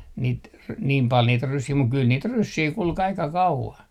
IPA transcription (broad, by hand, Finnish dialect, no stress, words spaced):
niːt r niːm pɑl niːt rysːiː muk kyl niːt rysːiː kulk ɑikɑ kɑuʋɑn